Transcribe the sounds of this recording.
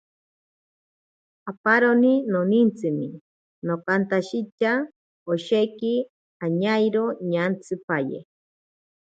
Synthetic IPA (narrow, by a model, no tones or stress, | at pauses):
apaɾoninonint͡sɨmi | nokant̪aʃit͡ʃa | oʃeki | aɲajɾoɲant͡sʰɨpajḛ